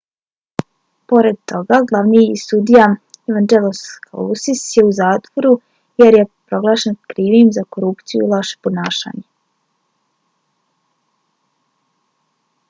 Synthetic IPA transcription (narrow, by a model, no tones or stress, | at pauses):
po̞ɾe̞d̪̚t̪o̞ɡaɡlˠaʋniisud̪ijaeʋand͡ʒeloska̰lusisjeuzaːt̪ʋo̞ɾu | jeɾjepɾo̞ɡlˠaːʃenkɾiːʋimzakoɾupt̪sijṵilˠaʃe̥ponaːʃa̰ːɲe